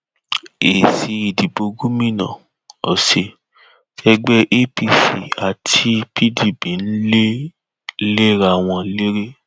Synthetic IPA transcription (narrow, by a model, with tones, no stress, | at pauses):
e˨si˨˧i˨di˨bo˧ɡu˦mĩ˦˨nã̰˨ | ɔ̰˨se˧ | tɛ˧ɡ͡bɛ˦ʔe˦pi˦˨sḭ˨a˨tʰi˧pi˦di˦˨bi˨n̩˦le˦ | le˦ɾa˦˨w̃ɔ̃˧˦le˦ɾe˦